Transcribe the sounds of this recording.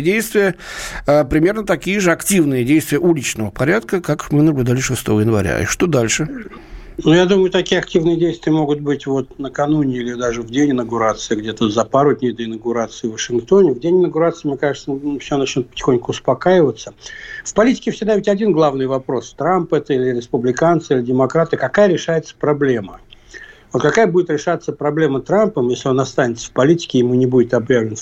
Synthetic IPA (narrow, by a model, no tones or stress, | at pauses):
dʲejst̪vʲɪjəəpɾʲɪmʲe̞rnət̪ɐkʲijəʐɨɐktʲivnɨjədʲejst̪vʲɪjəʔulʲɪt͡ɕnəvəpɐɾʲat̪kəkakmɨnəblʲʉʊd̪alʲɪʂɨst̪o̞vəjɪnvɐ̰ɾʲa̰ḭʂt̪o̞d̪alʲʂɨ | nujad̪umʊjʊt̪ɐkʲijəɐktʲivnɨjədʲejst̪vʲɪjəmo̞ɡʊt̪̚bɨtʲvo̞t̪nəkɐnunʲɪilʲɪd̪aʐɨvdʲenʲɪnəɡʊɾat̪sɨɪɡdʲet̪əzɐpaɾʊdʲnʲejd̪əɪnəɡʊɾat̪sɨɪvəʂɨnk̚t̪o̞nʲɪvdʲenʲɪnəɡʊɾat̪sɨɪmnʲekaʐɨt̪səfsʲonɐt͡ɕnʲut̪pə̥tʲɪ̥xonʲkʊʊspɐkajɪvət̪səfpɐlʲitʲɪ̥kʲɪfsʲɪɡ̚d̪avʲɪtʲɐdʲinɡlˠavnɨjvɐpɾo̞st̪ɾampɛt̪əilʲɪɾʲɪspʊblʲɪkant̪sɨilʲɪdʲɪmɐkɾat̪ɨkɐkajəɾʲɪʂajɪt̪sə̥pɾɐblʲemə | vot̪kɐkajəbudʲɪt̪ɾʲɪʂat̪səpɾɐblʲe̞mət̪ɾampəmjesʲlʲɪo̞nɐst̪anʲɪt̪sːə̥fpɐlʲitʲɪ̥kʲɪjɪmunʲɪbudʲɪt̪ɐbjavlʲɪn